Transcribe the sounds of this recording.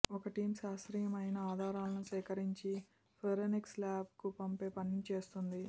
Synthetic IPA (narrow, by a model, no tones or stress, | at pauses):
ɔkɐʈiːmsaːʃɾijɐmɐjnɐaːd̪ʱaːɾaːlɐnusɛːkɐɾiɲt͡ʃi | pʰeɾenikslaːb̚kupɐmpe̞ːpɐnnit͡ʃe̞ːst̪und̪i